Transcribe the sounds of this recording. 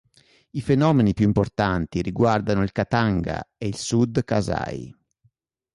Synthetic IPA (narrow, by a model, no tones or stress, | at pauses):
ifenɔːmenipjuimport̪ant̪iɾiɡward̪anoilkat̪aŋɡa̰eilsud̪kaza̰j